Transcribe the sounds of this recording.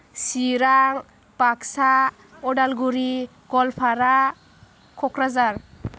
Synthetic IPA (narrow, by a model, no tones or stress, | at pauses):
siɾaŋ | paksa | ɔɖalɡuɾi | ɡ̥ɔlpʰaɾa | kʰɔkɾazaɾ